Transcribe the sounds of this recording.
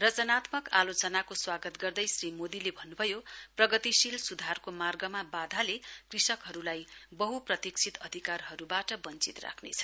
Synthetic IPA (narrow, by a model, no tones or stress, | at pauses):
rʌd͡zʌnat̪mʌka̰lot͡sʌnakoswaɡʌt̪ɡʌrd̪ʌjsrimod̪ilebʱʌnːubʱʌjoprʌɡʌt̪isilsud̪ʱarkomarɡʌmabad̪ʱalekrisʌkɦʌɾulajbʌɦuprʌt̪ikt͡sʰit̪ʌd̪ʱikarɦʌɾubaʈʌbʌnt͡sit̪ra̰kʰnḛt͡sʰʌ̥